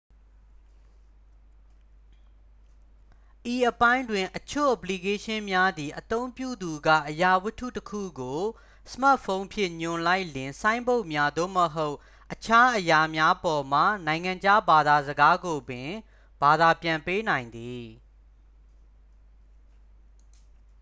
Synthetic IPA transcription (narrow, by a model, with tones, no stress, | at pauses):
ʔi˨ʔəpã˦ɪ̃ndwɪ̃˨ʔət͡ɕʰo̰˦˨ʔəpli˨ke˦ʃɪ̃˦mja˦d̪i˨ʔət̪õ˦ʊ̃mpjṵ˦˨d̪u˨ɡä̰˦˨ʔəja˨wʊ˦tʰṵ˦˨təkʰṵ˦˨ɡo˨ | sə̥ma˦ʔfʰõ˦ʊ̃mpʰjɪ̰̃˦˨ɲʊ̃˨la˦ɪʔlɪ̃˨sã˦ɪ̃mbo˦ʊʔmja˦d̪o̰˦˨məɦo˦ʊʔ | ʔət͡ɕʰa˦ʔəja˨mja˦pɔ˨m̥a̰˦˨nã˨ɪ̃ŋã˨ɲd͡ʑa˦ba˨d̪a˨zəɡa˦ɡo˨bɪ̃˨ | b̥a˨d̪a˨pjã˨mpe˦nã˨ɪ̃nd̪i˨